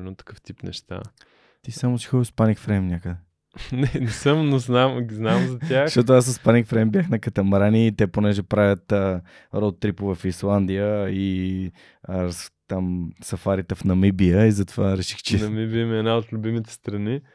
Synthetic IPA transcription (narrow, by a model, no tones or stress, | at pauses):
ɛnot̪ːɐ̥kəft̪ipnɛ̰ʃt̪a̰ | t̪isamot͡ʃɛ̥xɔspanikfɾɛmnʲakəd̪ɛ | nɛnɛsəmnoznamɡiznamzɐtʲjaxʃt̪ɔt̪ʊasspanikfɾɛjmbjaxnɐkɐt̪ɐmɾaniːt̪ɛponɛʒɛpɾavʲət̪ə | ɾɔt̪ːɾipovɛfislˠand̪ijəi | t̪amsɐfaɾit̪ɛfnɐmibijəizɐt̪ovaɾɛʃixt͡ʃɛnɐmibiəmiɛnaot̪lʲʊbimit̪ɛ̥st̪ɾɐni